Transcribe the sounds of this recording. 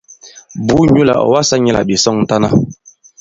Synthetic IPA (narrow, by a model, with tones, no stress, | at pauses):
bu˨˦ɲu˦la̰˨ɔ̰˨wa˦sa˦ɲɛ˦la̰˨bi˨sɔ˦ŋn̩˦ta˦na˦